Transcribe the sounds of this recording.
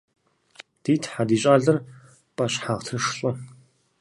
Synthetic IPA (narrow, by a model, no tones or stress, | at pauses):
d̥iːtʰħadiːɕʼaːɮɐr | pʼɐɕħaːʁtʰɨʂɬʼʊ